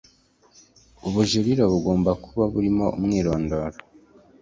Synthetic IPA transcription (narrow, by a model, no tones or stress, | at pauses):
uβuʒuɾiɾoβuɡo̞ːmbakuβaβuɾimo̞ṵmŋiːɾoːndoːɾo